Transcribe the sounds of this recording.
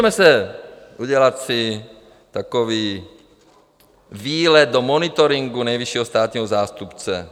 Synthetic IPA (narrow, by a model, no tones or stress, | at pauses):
mɛsɛuɟɛlacsi | t̪akɔʋiː | ʋiːlɛd̪̚d̪ɔmɔnit̪ɔɾiŋɡunajʋiʃɪɛɦɔst̪aːt̪ɲɛːɦɔzaːst̪upt͡sɛ̰